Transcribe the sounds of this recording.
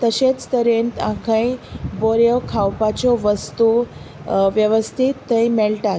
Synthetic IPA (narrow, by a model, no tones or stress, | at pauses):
t̪əɕet͡st̪əɾent̪ãkʰə̃ĩboɾjɔkʰawpat͡ɕɔʋəst̪u | ʋjəʋəst̪ʰit̪ːə̃imeɭʈa